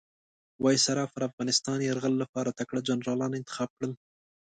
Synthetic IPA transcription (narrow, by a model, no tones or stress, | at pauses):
wɑjsaɾɑfaɾafɣɑnɪst̪ɑnjaɾɣəlːapɑɾat̪akɽad͡ʒanɾɑlɑnɪnt̪ɪ̥xɑb̚kɽəl